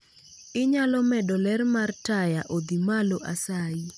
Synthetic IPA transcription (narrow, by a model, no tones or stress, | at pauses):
ɪɲalɔmɛdɔlɛrmartajaʔod̪imaloʔasai